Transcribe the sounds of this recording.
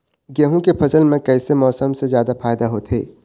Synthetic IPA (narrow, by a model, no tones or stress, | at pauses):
ɡeɦũkepʰɐsəlmẽkɛːsemɔːsəmsezjaːd̪afaːjd̪aɦoːt̪ɦḛː